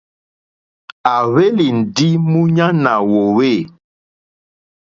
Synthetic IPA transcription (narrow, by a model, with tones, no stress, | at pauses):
a˨βe˦li˨n̩˨di˦mũ˦ɲa˦na˨wo˨we˦˨